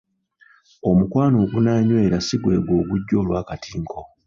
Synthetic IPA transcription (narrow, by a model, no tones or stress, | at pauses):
omukwaːnoːɡunaːɲwe̞ːɾasiɡwe̞̰ːɡwo̞ːɡuɟːo̞ːlwaːkatiːŋkʰo